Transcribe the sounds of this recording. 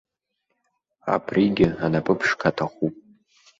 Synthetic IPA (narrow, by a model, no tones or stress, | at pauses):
a̰pʰriɡʲɪanapʼɨpʰʂkʰatʰaχupʼ